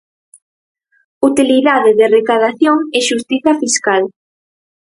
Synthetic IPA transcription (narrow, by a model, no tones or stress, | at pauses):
ut̪iliðaðɪðɪrekaðaθjoŋɛʃust̪iθɐfiskal